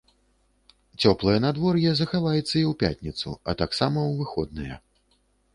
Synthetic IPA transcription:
t͡sʲɔplˠɐjɐnad̪vɔrjɛzɐxavajɛt̪sːɐiwpʲa̰tʲnʲit̪sṵɐ̰t̪aksamɐwvɨxɔd̪̚nɐjɛ̰

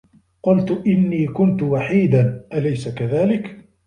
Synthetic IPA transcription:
qʊlt̪ʊʔɪnːiːkʊnt̪ʊwaħiːd̪anʔalajsakaðaːlɪk

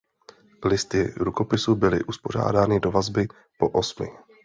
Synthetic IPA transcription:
lɪst̪ɪɾuko̞pɪsubɪlɪ̰ʔuspo̞r̝a̰ːdaːnɪdo̞vazbɪ | po̞ʔosmɪ̰

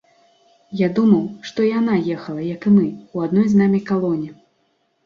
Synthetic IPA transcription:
jad̪umɐwʂt̪ɔijan̪ajɛxɐlˠɐjɐkɨmɨuad̪nɔjznamʲikalˠɔnʲi

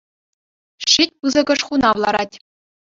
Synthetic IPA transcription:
ɕit̚ʲpɯzɤ̆ɡɤ̆ʂχunɑʋlˠɑɾɑtʲ

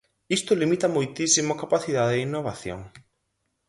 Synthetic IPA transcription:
ist̪olimit̪amojt̪isimokapaθiðaðeinːoβaθjo̰ŋ

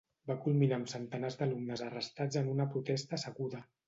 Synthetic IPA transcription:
bakulˠminaːmsənt̪ənazd̪əlumnəzərəst̪ad͡zənunəpɾut̪ɛst̪əːsəɣuðə

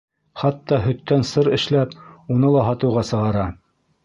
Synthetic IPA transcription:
χɑt̪ːɑɦɵ̆t̪ːænsɤɾɘ̆ʃlæpunɤlˠɑɦɑt̪ɤ̆wʁɑsɤ̆ʁɑɾɑ

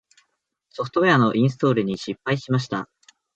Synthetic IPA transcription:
so̞ɸɯ̥t̪o̞eano̞ʔĩɰ̃s̬ɨ̥t̪o̞ːɾɯ̟ɲ̟iɕipːaiɕimaɕ̬i̥t̪a

